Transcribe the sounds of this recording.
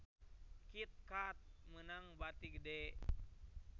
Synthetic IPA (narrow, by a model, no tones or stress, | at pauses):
kit̪̚kat̪̚mənaŋbat̪iɡədɛ